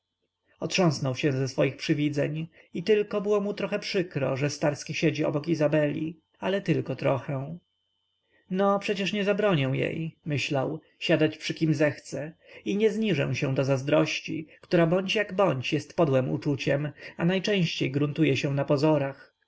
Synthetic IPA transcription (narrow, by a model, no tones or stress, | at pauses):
ɔtʂɔ̃w̃snɔwɕɛ̃zɛsfɔjixpʂɘvʲid̪zɛ̰ɲ | it̪ɘlkɔbɘwɔmut̪ɾɔxɛpʂɘkɾɔ̰ʐɛst̪aɾskʲiɕed͡ʑiɔ̰bɔkizabɛlʲḭ | alɛt̪ɘlkɔt̪ɾɔxɛw̃ | nɔpʂɛt͡ɕɛʂɲɛzabɾɔɲɛw̃jḛjmɘɕlaw | ɕad̪at͡ɕpʂɘkʲimzɛxt̪sɛiɲɛzɲiʐɛ̰̃w̃ɕɛ̃d̪ɔzazd̪ɾɔɕt͡ɕḭkt̪uɾabɔɲt͡ɕjaɡbɔɲt͡ɕjɛst̪pɔd̪wɛmṵt͡ʂut͡ɕɛmanajt͡ʂɛ̃w̃ɕt͡ɕejɡɾunt̪ujɛɕɛw̃napɔzɔɾax